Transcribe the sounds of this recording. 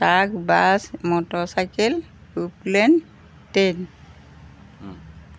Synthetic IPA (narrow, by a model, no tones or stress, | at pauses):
takbasmɔtɔsajkel | uplen | ten